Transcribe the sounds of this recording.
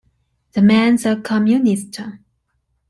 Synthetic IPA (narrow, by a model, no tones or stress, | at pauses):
ðəmæ̃nzəkʰəmjunɪstʰə